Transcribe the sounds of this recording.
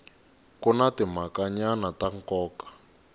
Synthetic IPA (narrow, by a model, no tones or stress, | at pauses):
kunatimakaɲanataŋ̩kɔːkḁ